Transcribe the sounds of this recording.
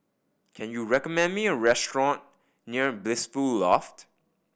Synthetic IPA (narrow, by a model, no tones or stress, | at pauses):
kʰɛ̃njuɹɛkɔmɛ̃nmiəɹɛstɹɔ̃nː | iəblɪsfullɔft